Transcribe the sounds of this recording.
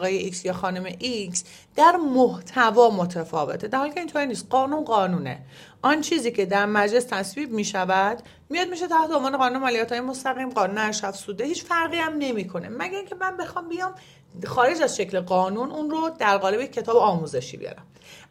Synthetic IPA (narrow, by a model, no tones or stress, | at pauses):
ɣɒːjeʔiksjɒːxɒːnomeʔiks | d̪̥æɾmoht̪ʰævɒːmot̪ʰæfɒːvet̪ʰed̪æɾhɒlikʰeint̪ʰoɾiːniːst̪̚ɢɒːnunɢɒːnuːne̞̰ | ʔɒnt͡ʃʰiːziːcʰe̞d̪æɾmæd͡ʒle̞st̪ʰæsviːbmiːʃævæd̪ | mijɒd̪̚miʃ̬et̪ʰæht̪ʰeonvɒːne̞ɣɒːnunemɑːlijæt̪hɔːjemost̪æɣiːmɢɒːnuneæʃæfsud̪ehiːt͡ʃfæɾɣiːæmne̞miːkʰo̞nḛmæɟæɾiːŋcʰe̞mænbexɒːmbijɒːm | xɒːɾe̞d͡ʒæzʃe̞cʰleɣɒːnununɾod̪æɾɣɒːle̞bejekʰʲːe̞t̪ʰɒːbeɒːmuze̞ʃḭːbḭjɒ̰ːɾæm